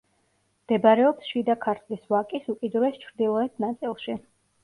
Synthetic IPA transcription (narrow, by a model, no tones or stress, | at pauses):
md̪̥ɛbɾɛɔpsʃid̪akʰaɾt̪ʰlisvakʼisukʼid̪uɾɛst͡ʃʰɾd̪ilˠɔɛt̪ʰnat̪sʼilˠʃi